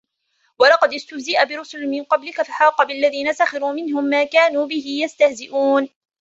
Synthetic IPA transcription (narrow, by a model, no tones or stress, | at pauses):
wɑlɑqɑd̪ɪst̪ʊhzɪʔabɪɾʊsʊlmɪnqɑblɪkafaħɑːqɑbɪlːaðiːnasaxɑɾuːmɪnɦʊmːaːkaːnuːbɪhɪjast̪ahzɪʔuːn